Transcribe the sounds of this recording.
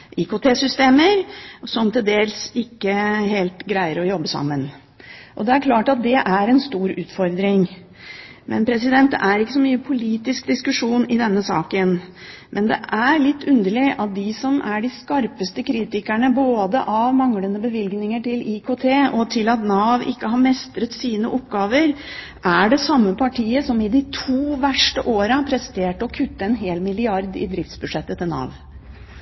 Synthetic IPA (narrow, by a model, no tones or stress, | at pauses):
ʔikot̪ʰeːsʏst̪eːməɾsɔmt̪ʰɪld̪eːlsɪkːəɦeːlt̪ɡɾæɪəɾɔjɔbːəsɑ̰mːən | ʔɔd̪ɛæɾkʰlɑːʈɑt̪̚d̪ɛʔæɾɛnst̪uːɾʉːt̪fɔɾd̪ɾɪŋ | mʔɛ̰npʰɾɛsɪd̪ɛnt̪ːʔæɾɪkːə̥sɔmyːəpʰʊliːt̪ɪsk̚d̪ɪskʉʂuːnɪd̪ɛnːəsɑ̰ːkən | mʔɛnd̪ɛ̰ʔæɾɭɪt̪ːʉnd̪əɭɪʔɑt̪̚d̪ɪsɔmæɖɪskɑɾpəst̪əkʰɾiːt̪ɪkæɳəboːd̪ə̰ʔɑʋmɑŋlənəbəʋɪlɡnɪŋəʈɪlɪkʰot̪ʰeːʔɔt̪ʰɪlɑt̪nɑːʋɪ̰kːəɦɑɾmɛst̪ɾət̪siːnəʔɔpɡɑːʋəɾ | ʔæɖɛsɑmːəpʰɑʈʰiːəsɔmɪd̪ɪt̪ʰuːʋæʂʈəʔoːɾəpʰɾɛst̪eːʈəɔkʰʉt̪ːəɛnɦeːlmɪlɪɑɾd̪ɪ̰d̪ɾɪft̪sbʉʂɛt̪ːət̪ʰɪlnɑ̰ːʋ